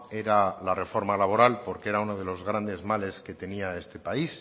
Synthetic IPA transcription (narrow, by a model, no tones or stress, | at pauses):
e̞ɾalare̞fo̞ɾmalaβ̞o̞ɾalpo̞ɾkee̞ɾaunoðe̞lo̞zɣ̞ɾand̪e̞zmale̞ske̞t̪e̞niae̞st̪e̞pais